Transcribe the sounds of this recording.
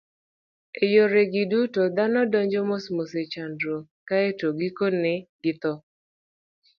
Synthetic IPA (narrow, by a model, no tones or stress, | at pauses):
ejoɾeɡɪdutod̪anɔdɔɲd͡ʒɔmɔsmoset͡ʃandɾo | kaetoɡikonɛɡɪt̪ɔ